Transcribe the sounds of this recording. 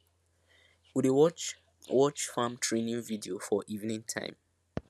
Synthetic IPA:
wide | wɔt͡ʃfãmtʰɹẽnĩŋvidiofɔʔivnĩŋtʰã̰ɪ̃m

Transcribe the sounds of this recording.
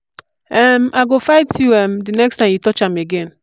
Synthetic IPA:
ɛm̩ʔaɡofaɪtʰjuɛm̩dinɛkstãmjutɔt͡ʃameɡen

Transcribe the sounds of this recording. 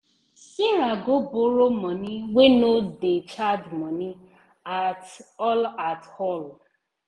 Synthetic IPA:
iɾaɡoboɾomɔniwenodet͡ʃadmɔni | atɔlatɔl

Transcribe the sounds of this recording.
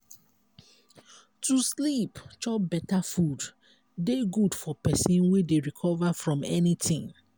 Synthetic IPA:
tuslipt͡ʃɔp̚bɛtafud | deɡudfɔpɛsĩnwedeɹikʰɔvafɹɔ̃mɛnitʰĩŋ

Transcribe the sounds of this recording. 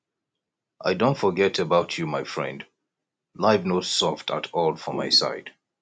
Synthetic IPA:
ʔaɪdõʊ̃ntfəɡɛtəbaʊt͡ʃʰumaɪfɹɛ̰̃nd | laɪvnoʊ̥sɔftʰə̰tʰɔlˠfəmaɪsa̰ɪd̥

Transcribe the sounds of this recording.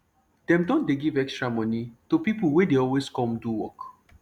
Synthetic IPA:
d̥ɛ̃mdɔ̃ndeɡivɛkstɹamɔ̃nitupipl̩ˠwɛdeɔlweskɔ̃mduwɔk

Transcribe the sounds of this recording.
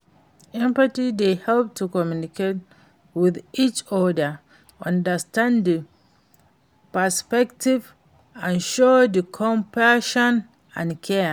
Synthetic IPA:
ɛ̃mpatidehɛlp̚tʰukɔmjunikʰet̚ | wiðit͡ʃɔdə | ɔ̃ndəstãndə | pəspɛktʰiv | ãnʃodikʰɔ̃mpaʃɔ̃n | ã̰nkʰɛ

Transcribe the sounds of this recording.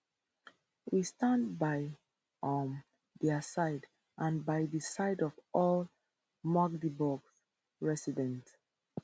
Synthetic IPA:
wistãndbaɪ | ɔm | dɛsaɪd | ʔãnbaɪðəsaɪdɔvʔɔl | maɡdibɔɡs | ɹɛsidɛ̃nt

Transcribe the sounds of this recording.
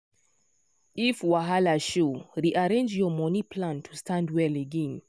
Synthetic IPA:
ifwaɦalaʃuɹiʔaɹẽnd͡ʒjɔmɔnipʰlãntʰustʰãndwɛleɡɛ̃n

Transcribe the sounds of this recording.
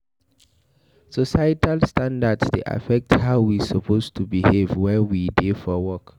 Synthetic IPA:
sɔsajtʰalstãndadsdḛʔa̰fɛk̚thaʊwisəpʰostʰubihevwɛwidefɔwɔk

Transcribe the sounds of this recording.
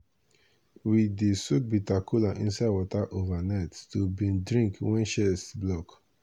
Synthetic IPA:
widesuk̚bitakʰulaʔḭ̃nsaɪdwɔtaʔovanatːubĩndɹĩŋkwɛ̃nʃɛsblɔk

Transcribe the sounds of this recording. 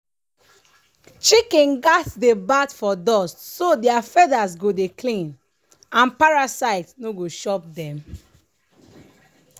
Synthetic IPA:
t͡ʃikĩnɡatsdebadfɔdɔstsodiafɛdasɡodeklĩn | ãnpaɹasaɪtnoɡoʃɔp̚dɛ̃m

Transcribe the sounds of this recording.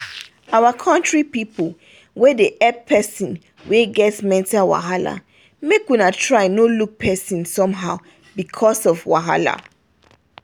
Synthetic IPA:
awakʰɔ̃ntɹipipəl | wɛdeʔɛpʰːɛsĩn | weɡɛtmɛ̃ntawa̰ɦala̰ | mekwunatʰɹaɪnoluk̚pʰɛsĩnsɔ̃mɦaʊ | bikʰɔsɔvwa̰ɦa̰la̰

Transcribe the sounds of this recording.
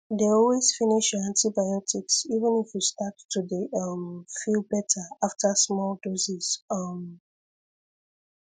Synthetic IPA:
deɔlwezfiniʃãntibajɔtiksivə̃nifjustatːudeʌmfilˠbɛtaaftʰasmɔlˠdɔsiz̥ʌm

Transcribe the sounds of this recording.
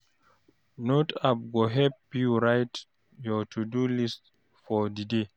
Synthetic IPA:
notap̚ɡɔɦɛpjuɾajt | jɔtʰudulist | fɔdide

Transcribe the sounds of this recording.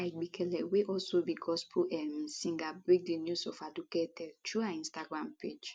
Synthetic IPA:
aɪɡ͡bikʰɛlɛweʔɔlsobiɡɔspʰuʔɛmsĩŋɡabɹik̚dinjusɔfaduketɛdtuaĩstaɡɾãmped͡ʒ

